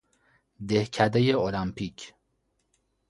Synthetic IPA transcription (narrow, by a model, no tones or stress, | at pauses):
d̪ehcʰæd̪ejeolæmpʰicʰ